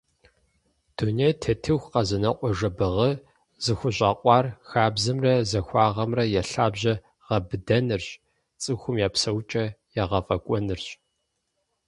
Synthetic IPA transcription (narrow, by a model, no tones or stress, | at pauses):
d̥unejtʰɐtʰɨxʷqɐzɨnɐqʷʼɔʒɐbɨʁɐ | zɨxʷʊɕʼɑːqʷʼɑːrxaːbzɨmrɐzɐxʷɑːʁɐmrɐjɛɬaːbʑɐ | ʁɐbɨdɐnɨrɕʼ | t͡sʼɨxʷʊmjaːpsɐwt͡ʃʼɐjaːʁɐfʼɐkʷʼɔnɨrɕʼ